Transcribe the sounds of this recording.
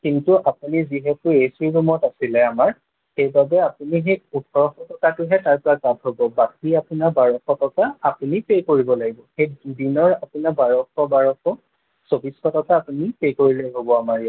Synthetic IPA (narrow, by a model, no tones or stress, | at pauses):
kintuʔapuniziɦetʊejsɹiɹumɔtasilɛamaɹ | xejbabɛapuniɦeutʰɔɹɔxɔtɔkatʊɦɛtaɹpɔɹakabɦobɔbakiapunabaɹɔxɔtɔkaapunipejkoɹibɔlaɡibɔxejdudinɔɹapunabaɹɔkɔbaɹɔkʰɔ | sobisxɔtɔkaːpunipejkoɹileɦobɔamaɹia